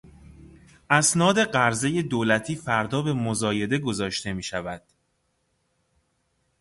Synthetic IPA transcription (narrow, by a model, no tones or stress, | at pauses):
ʔæsnɒːd̪e̞ɢæɾze̞je̞d̪oːlæt̪ʰiːfæɾd̪ɒːbe̞mozɒːje̞d̪e̞ɡo̞zɒːʃt̪e̞miːʃævæd̪̥